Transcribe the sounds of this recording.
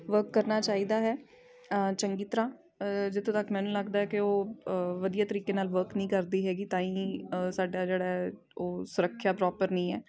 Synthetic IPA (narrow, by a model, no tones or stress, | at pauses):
ʋəɾkːəɾnaːt͡ʃaːiːd̪aːɦɛː | t͡ʃəŋɡiːt̪əɾãː | d͡ʒɪt̪ʰːõːt̪əkmɛ̃ːnũːləɡd̪aːɛːkɪoːʋəd̪ijaːt̪əɾiːkeːnaːlʋəɾknəĩːkəɾd̪iːɦɛːɡiːt̪ãːĩːsaːɖaːd͡ʒeːɽaː | oːsʊɾəkʰːjaːpɾɔːpəɾnĩːɛː